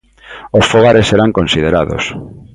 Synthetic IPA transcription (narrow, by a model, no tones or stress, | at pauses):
osfoɣ̞aɾesːeɾaŋkõnsiðeɾaðo̰s